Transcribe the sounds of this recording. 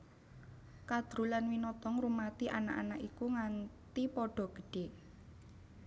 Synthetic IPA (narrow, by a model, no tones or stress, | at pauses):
kad̪̥ɾṳlanwinɔt̪ɔŋrumat̪iʔanaʔa̰nakikuŋant̪ipɔɖ̥ɔ̤ɡ̥ə̤̥ɖ̥e